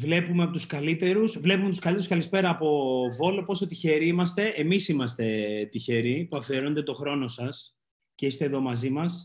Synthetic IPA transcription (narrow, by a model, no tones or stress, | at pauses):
vle̞pume̞ɐpo̞t̪uskɐlit̪e̞ɾusvle̞pume̞t̪uskɐlit̪eɾuskɐlispe̞ɾɐːpo̞vo̞lo̞po̞so̞t̪içe̞ɾiimɐst̪e̞ʔemisimɐst̪e̞t̪içe̞ɾipuɐfioɾo̞nd̪e̞t̪o̞xɾo̞no̞sɐs | ce̞ist̪eðo̞mɐzimɐs